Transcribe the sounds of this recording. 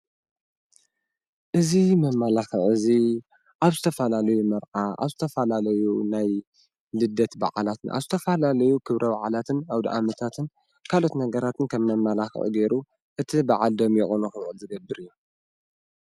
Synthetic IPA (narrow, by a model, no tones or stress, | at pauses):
ʔɨzimɐmːalaxɨʕɨzi | ʔaβzɨt̪ʰɐfɐlalɐjumɐɾʔaʔa̰βzɨt̪ʰɐfɐlalɐjunaj | lɨd̪ɐt̪ba̰ʕalat̪nʔa̰βzɨt̪ʰɐfɐlalɐjukʰɨβɾʔɐbaʕalat̪ʰɨnawd̪iʔamɐt̪ʰat̪ʰɨn | kʰalo̞t̪nɐɡɐɾat̪ʰɨnkʰɐmːɐmːalaxɨ̰χʼɡeɾu | ʔɨt̪ʰibaʕald̪omjɛxʼonuxɨβʕɨlzɨɡɐbːɨɾɨjːu